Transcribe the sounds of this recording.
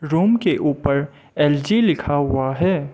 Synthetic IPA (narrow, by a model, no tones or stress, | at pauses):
ɾuːmkeʔuːpəɾ | ɛld͡ʒilɪkʰaɦʊaɦɛː